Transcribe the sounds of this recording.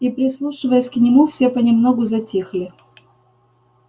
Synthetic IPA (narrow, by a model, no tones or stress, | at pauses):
ipɾʲɪslˠuʂɨvəjəsʲknʲɪmufsʲepənʲɪmnoɡʊzɐtʲixlʲɪ